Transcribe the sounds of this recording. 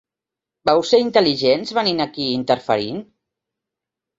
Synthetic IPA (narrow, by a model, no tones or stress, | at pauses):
bɛwseint̪əliʒenzβəninakiint̪əɾfəɾḭn